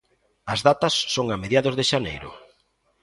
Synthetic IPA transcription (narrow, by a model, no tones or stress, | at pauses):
ɐzðat̪ɐsːoŋameðjaðʊzðɪʃanḛjɾʊ̰